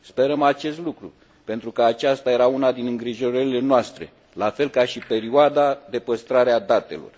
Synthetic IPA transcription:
spe̞ɾəmat͡ʃe̞st̪lukɾu | pe̞nt̪ɾukəat͡ʃast̪aje̞ɾaunad̪inɨŋɡɾiʒo̞ɾəɾile̞noast̪ɾe̞̰ | lafe̞lkaʃipe̞ɾioad̪ad̪e̞pəst̪ɾaɾead̪at̪e̞̰lo̞̰r

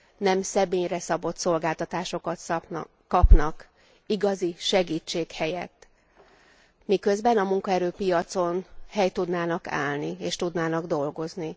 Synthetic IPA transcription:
nɛmsɛbeːɲrɛsɒbo̞t̪so̞lɡaːlt̪ɒt̪aːʃo̞kɒt̪s | kɒpnɒk | iɡɒziʃɛɡiːt͡ʃːeːkhɛjɛt̪ː | mikø̞zbɛnɒmuŋkɒɛɾøːpijɒt̪so̞nhɛjt̪ud̪naːnɒka̰ːlnieːʃt̪ud̪naːnɒɡd̪o̞lɡo̞zni

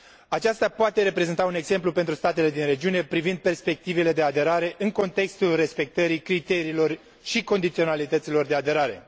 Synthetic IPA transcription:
at͡ʃast̪apoat̪e̞ɾe̞pɾe̞zent̪aune̞ɡze̞mplupent̪ɾust̪at̪e̞le̞d̪inɾe̞d͡ʒiune̞pɾivind̪̚pe̞rspe̞k̚t̪ivele̞d̪e̞ad̪e̞ɾaɾe̞ʔɨŋko̞nt̪e̞kst̪ulre̞spe̞k̚t̪əɾikɾit̪e̞ɾiːlo̞r | ʃiko̞nd̪it̪sio̞nalit̪ət̪silo̞rd̪e̞ad̪e̞ɾaɾe̞̰

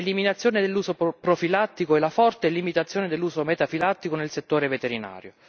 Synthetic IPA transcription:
eliminat̪sːjoːned̪elːuːzopɾofilat̪ːikoɛlafɔrt̪elimit̪at̪sːjoːned̪elːuːzomɛt̪afilat̪ːikonelset̪ːoːɾevet̪eɾina̰ːɾjo

